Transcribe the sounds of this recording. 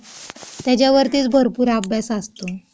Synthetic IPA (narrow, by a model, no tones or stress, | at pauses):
t̪jat͡ɕjaʋəɾt̪iːt͡sbʱəɾpuːɾabʱjasast̪o